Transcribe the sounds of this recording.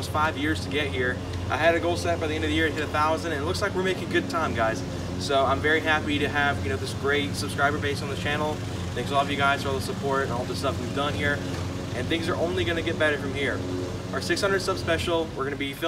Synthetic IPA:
stfaɪvjɪɹz̥tʰɨɡɛt̚hiɹ | ʔa̰ɪɨɾɨɡoʊlˠsɛt̚b̥aɪðiɛ̃ndʌvðɨjɪɹɨɨɾɨθaʊzɨ̃ndɨ̃nlʊkslaɪkwəɹmeɪkɪ̃ŋɡʊd̚tʰãɪ̃mɡaɪz̥ | soʊãɪ̃ɱvɛɹiɦæpiɾɨɨvjɨnoʊðɪsɡ̥ɹeɪtsəb̥skɹaɪbə˞beɪstn̩ðɨt͡ʃʰænl̩ˠ | θɛ̃ŋksɔlˠʌvjɨɡaɪz̥tɔlˠəsəpʰɔɹɾɨ̃nɔlˠðɪstʌfwivdʌ̃nhiɹ | ʔɨ̃nθɪ̃ŋzə˞ʔõʊ̃nliɡʌnɨɡɛt̚b̥ɛɾə˞fɹʌ̃mhiɹ | ʔə˞sɪkshʌ̃ndɹə˞d̥sʌb̥spɛʃl̩ˠwəɹɡʌnɨbifɪ

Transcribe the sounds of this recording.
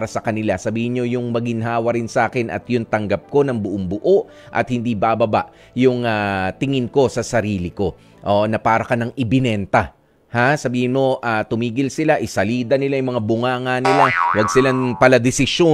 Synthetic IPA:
ɾɐsɐkɐnɪlasɐbiːhɪnɲo̞jʊŋmɐɡɪnɦaːwɐɾɪnsɐʔaːkɪnʔɐ̰t̪jʊŋt̪ɐŋɡɐp̚ko̞nɐŋbʊʔoŋbʊʔoʔ | ʔɐ̰t̪hɪnd̪ibabɐba̰ʔ | jʊŋat̪ɪŋɪnko̞sɐsɐɾiːlɪko̞ | ʔonɐpaːɾɐkɐnɐŋʔɪbɪnɛnt̪a | hasɐbiːhɪnmo̞ʔat̪ʊmiːɡɪlsɪlaʔɪsɐliːd̪ɐnɪlajʊmɐŋabʊŋaːŋɐnɪlawɐɡ̚sɪlaŋpɐlɐd̪ɪsɪʃo

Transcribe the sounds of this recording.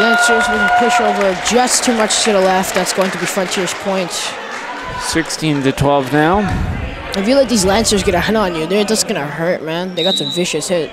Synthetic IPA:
læ̃nsə˞zwɨ̃nɨpʰʊʃoʊvə˞d͡ʒʌstʰʉmʌt͡ʃzɡ̥ʌɾəlɛft̪̚ðætsɡ̥oʊɪ̃ŋtʰɨbifɹʌ̃ntʰɪɹz̥pʰɔ̃ɪ̃nts | sɪkstĩntɨtʰw̥ɛlˠvnaʊ | ɨfjɨlaɪk̚ðizlæ̃nsə˞zɡʌɾɨhʌ̃nə̃njɨðə˞d͡ʒʌsɡ̥ʌnɨhɜ˞t̚mæ̃nðeɪɡɑtsʌ̃ɱvɪʃɨshɪt̚

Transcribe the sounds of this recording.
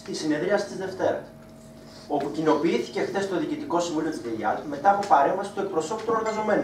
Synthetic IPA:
t̪isine̞ðɾiɐsi̥t̪izðe̞ft̪e̞ɾɐ̰ | o̞pucino̞piiθi̥ce̞xθe̞st̪o̞ðiːcit̪iko̞siɱvulio̞t̪izðeʎɐɾme̞t̪ɐːpo̞pɐɾe̞ɱvɐsi̥st̪oe̞k̚pɾo̞so̞pt̪one̞ɾɣɐzo̞me̞n

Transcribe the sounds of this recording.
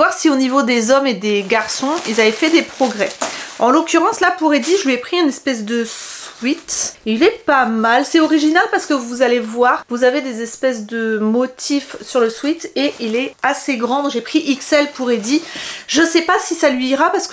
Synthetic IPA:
waʁsionivod̪ezɔmed̪eɡaʁsɔ̃ilzavɛfɛd̪epχɔɡʁɛɑ̃lɔkʲyʁɑ̃slapuʁed̪iʒəlɥiɛpχiɛ̃nɛspɛs̬d̪əswɥit̪ilɛpamalsɛtɔʁiʒinalpaʁsə̥kəvuzalevwaʁvuzaved̪ezɛspɛs̬d̪əmɔt̪ʰifsyʁləswit̪eʔilɛaseɡʁɑ̃d̪ʒepχiʔiksɛlpuʁed̪iʒəsɛpasisalɥiːʁapaʁsə̥k

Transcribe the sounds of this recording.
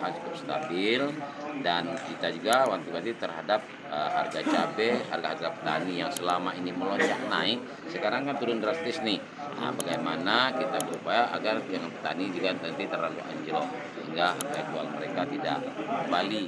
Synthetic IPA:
ɦand͡ʒuk̪up̚st̪a̰bɪldankit̪ad͡ʒuɡawaŋt̪ibat̪it̪ərɦadap̚ | əha̰rɡat͡ʃabɛɦa̰rɡaɦarɡapə̥t̪a̰nijaŋsəlamainiməloɲt͡ʃaʔnaɪk̚ | səkaɾaŋkant̪uɾʊndɾast̪ɪsnɪh | a̰baɡajmanakit̪abəɾupajaʔaɡardaŋanpə̥t̪a̰nid͡ʒuɡat̪ənt̪it̪əraɡa̰ʔa̰ɲd͡ʒəɾɔ | səhiŋɡaɦa̰ɡad͡ʒua̰lməɾekat̪ida̰ʔkəmbali

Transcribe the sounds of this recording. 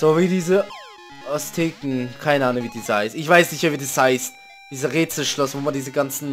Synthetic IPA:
z̥oːviːdiːzə | ʔɔstʰeːkŋ̩kʰaɪnəʔaːnʊŋviːdiːshaɪstɪçv̥aɪsnɪçtmɛɐviːdishaɪst̚ | d̥iːzɐʁeːt͡sl̩ʃlɔsvoːmandiːzəɡant͡sn̩

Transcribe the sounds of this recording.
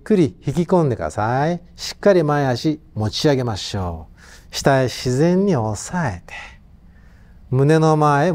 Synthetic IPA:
kːɯ̟ɾʲiçikʲikõ̞nd̪e̞kɾa̰sai | ɕi̥kːaɾʲimaeaɕimot͡ɕiaɡe̞maɕo̰ː | ɕi̥t̪aeɕizẽ̞ɲ̟ːio̞sae̞t̪e̥ | mɯ̟ne̞no̞mae

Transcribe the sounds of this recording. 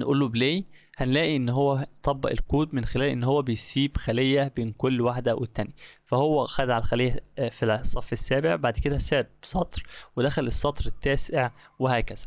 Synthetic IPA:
nʔṵːlːobleː | hænlæːʔiʔenːɦowːæt̪ˤɑbːɑʔelkuːd̪menxelæːlʔḛnːhowːæbejsiːbxælejːæbeːnkolːwaħd̪æwʔḛt̪ːænjæfæhowːæxæd̪ʕalxælejːæfisˤːɑfːesːæːbeʕbaʕd̪ked̪æsæːbb̥sˤɑt̪ˤɾwed̪æxælesˤːɑt̪ˤɾet̪ːæːseʕ | wehæːkæz̥æ̥

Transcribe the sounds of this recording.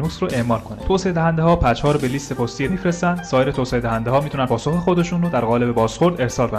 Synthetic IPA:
nusɾoʔe̞ʔmɒːlkʰo̞net̪ʰoːseed̪æɦænd̪ehɒːpʰæt͡ʃhɒːɾobeliːst̪e̞pʰost̪ijemifɾest̪ænd̪sɒːjeɾet̪ʰoːsehed̪æhænd̪eɦɒːmit̪ʰunænpʰɒːso̞xexo̞d̪e̞ʃuːnrod̪æɾɣɒːle̞be̞bɒːzxo̞ɾd̪e̞ɾsɒːlbe

